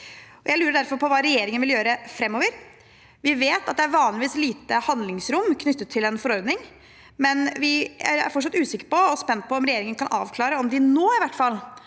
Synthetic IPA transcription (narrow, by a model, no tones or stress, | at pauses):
ɔjæɪlʉːɾəɖ̪æɾfɔɾpʰɔʋɑːɾɛjeːɾɪŋənʋɪljøːɾəfɾɛmːɔːʋəɾ | ʋɪʋeːt̪ɑt̪̚d̪ɛæɾʋɑːnlɪʋiːsliːt̪əhɑnd̪lɪŋsɾʊmːkʰnʏt̪ːət̪ʰːɪlɛnfɔɾɔɾd̪nɪŋ | mɛnʋɪæ̰ɾæ̰ɾfɔʈʂɑt̪ːʉːsɪkːəɾpɔɔspɛnt̪̚pʰɔɔmɾɛjeːɾɪŋənkʰɑnʔɑ̰ːʋkʰlɑːɾəɔmd̪ɪnoːɪʋæʈːfɑl